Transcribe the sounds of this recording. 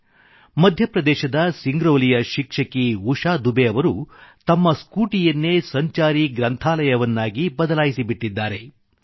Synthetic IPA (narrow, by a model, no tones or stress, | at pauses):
mɐd̪ʱjɐpɾɐd̪ɛːʃɐd̪ɐsiŋɡɾoːlijɐʃikʂɐkiuʂaːd̪ubeɐʋɐɾut̪ɐmːɐskuːʈijɐnːe̞sɐɲt͡ʃaːɾiɡɾɐnt̪ʰaːlɐjɐʋɐnːaːɡibɐd̪ɐlaːjisibiʈːid̪ːaːɾe̞